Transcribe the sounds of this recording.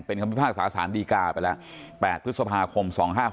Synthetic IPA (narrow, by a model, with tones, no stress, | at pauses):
pe˧nkʰa˧ppʰaː˥˩k̚saː˩˦saː˩˦mdiː˧kaː˧pa˧jlɛ˦˥ʔ | pɛː˨˩t̪̚pʰɯ˦˥t̪̚sa˧pʰaː˧kʰo˧msɔ̰ː˩˦ŋɦaː˥˩